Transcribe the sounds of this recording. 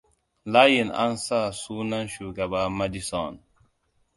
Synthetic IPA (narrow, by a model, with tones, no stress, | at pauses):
la˦je˨na̰˦nsa˦˨su˦na˦nʃu˨ɡa˨ɓa˦ma˦di˦sɔ˨n